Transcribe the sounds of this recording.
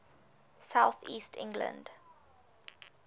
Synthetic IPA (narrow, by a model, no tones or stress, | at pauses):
saʊθiːstʰɪ̰̃ŋɡlə̰̃nd̥